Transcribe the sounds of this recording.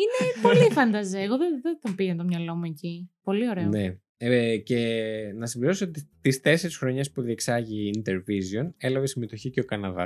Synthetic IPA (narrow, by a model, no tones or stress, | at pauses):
inepo̞lifɐnd̪ɐzeːɣoðeðeðopiɣɐnt̪o̞mɲɐlo̞muecipo̞lio̞ɾeone | ce̞nɐsimviɾo̞soot̪it̪ist̪e̞se̞ɾisxɾo̞ɲɐspuðieksɐʝiːnt̪e̞ɾvizio̞ne̞lɐvesime̞t̪o̞çiceokɐnɐðɐ̰s